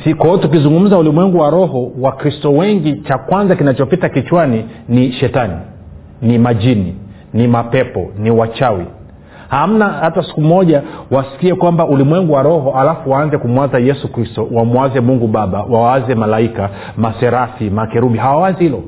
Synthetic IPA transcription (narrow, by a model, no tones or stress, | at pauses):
sikwɔɔtuk̬izuŋɡum̩zaulimwɛŋɡuwaɾɔhɔwakɾistɔwɛŋɡit͡ʃakwanzakinat͡ʃɔpitakit͡ʃwaniniʃɛtani | nimad͡ʒini | nimapɛpɔniwat͡ʃawi | ham̩nahatasi̥kumɔʄawasi̥kiɛkwambaulimwɛŋɡuwaɾɔɦɔalafuwaːnzɛkumwanzajɛsukɾistɔwamuazɛmuŋɡuɓaɓawaazɛmalaika | masɛɾafimakɛɾuɓiɦawawazihilɔ